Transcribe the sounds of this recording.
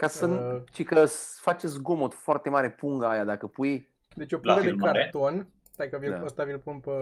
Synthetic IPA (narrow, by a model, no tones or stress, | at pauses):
kasənʃikəsfat͡ʃesʲɡomot̪foart̪e̞maɾe̞puŋɡəajad̪akəpuj | d̪et͡ʃʲopuɡəd̪ekaɾt̪on | st̪ajkəviaəst̪avilpunpə